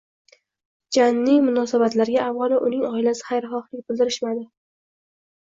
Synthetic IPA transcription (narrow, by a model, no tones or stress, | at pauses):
d͡ʒanːɪjmʊnɒsabat̪laɾɡʲaʔːvɑlˠaʔʊnɪŋɒɪlasɪ̥χajɾχɒχlɪk̚ʲbɪld̪ɪɾɪʃmad̪ɪ